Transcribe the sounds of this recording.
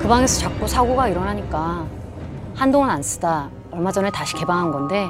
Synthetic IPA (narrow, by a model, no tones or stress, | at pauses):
kɯbaŋesʰʌt͡ɕak̚k͈osʰaɡoɡaiɾʌnɦaɲik͈a | handoŋɯnans͈ɯ̥da | ʌɭmad͡ʑʌnɯɭtaɕʰi̥ke̞baŋɦanɡʌnde̞